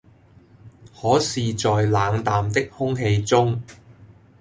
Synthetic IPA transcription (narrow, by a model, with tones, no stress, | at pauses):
hɔː˨˥siː˨t͡sɔː˨jlaː˨˧ŋt̪aː˨mt̪ɪ˥k̚hʊ˥ŋɦe˧jt͡sʊ˥ŋ